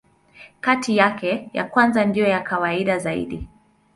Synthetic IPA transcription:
katʰijakɛja̰kwanzandijɔjakawaiɗazaḭɗi

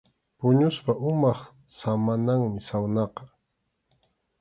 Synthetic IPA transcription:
pʊɲʊspaʔʊmɑχ | samanaŋmɪsawnɑqɑ

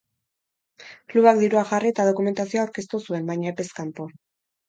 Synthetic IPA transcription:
kluβak̚d̪iɾuaʝariet̪að̞o̞kume̞nt̪asioawɾke̞st̪usue̞mbajɲaepe̞skampo̞

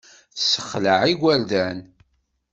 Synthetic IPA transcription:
θsə̥χləʕiɡʷæɾd̪æn

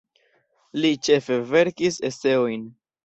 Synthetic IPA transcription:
lit͡ʃe̞fe̞ve̞ɾkisese̞o̞jn

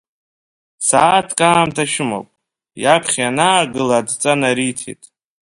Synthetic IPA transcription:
saːtʰkʼaːmtʰaʃɪmo̰wpʼ | japʰχʲanaːɡɨlaːdt͡sʼanaɾitʰḛtʼ

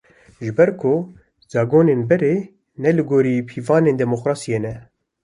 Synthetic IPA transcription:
ʒɨbɛɾkʰʊ | z̥ɑːɡoːneːnbɛɾeː | nɛlɨɡoːɾiːpʰiːvɑːneːnd̪ɛmoqɾaːsijeːnɛ

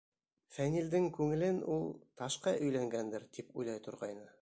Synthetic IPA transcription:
fænʲild̪ɘŋkʉŋɘ̆lɘnulˠt̪ɑʃqɑʔɵ̆jlæŋɡænd̪ɘɾt̪ipujlˠɑjt̪ŏɾʁɑjnɤ

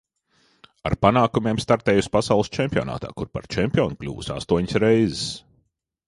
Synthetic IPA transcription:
a̰ɾpanaːkumʲeːmst̪aɾt̪ɛːjusʲpasawlˠɨst͡ʃɛmʲpʲio̰na̰ːt̪a̰ːkuɾpa̰ɾt͡ʃɛmʲpʲiɔːnklʲṵːvṵsa̰st̪uɔɲsɾɛjzɪs

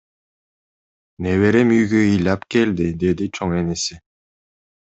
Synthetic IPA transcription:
neβeɾemyjɡøɯjlɑpke̞ld̪id̪e̞d̪it͡ʃʰoŋenesɪ

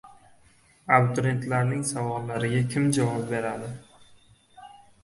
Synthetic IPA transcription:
abt̪oɾent̪laɾnɪŋsavɒlːaɾɪɡʲakʲʰɪmd͡ʒavɒp̚be̞ɾad̪ɪ

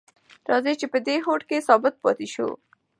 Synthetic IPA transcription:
ɾɑːzet͡ʃepəd̪eɦoːʈkesɔːbət̪̚pɔ̰ːt̪iʃṵ

